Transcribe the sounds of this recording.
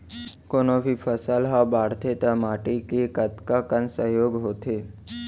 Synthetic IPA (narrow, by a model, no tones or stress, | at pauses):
konobifʰəsəlɦabaɽt̪ʰet̪əmaːʈikekət̪kakənsəɦjoːɡɦot̪ʰe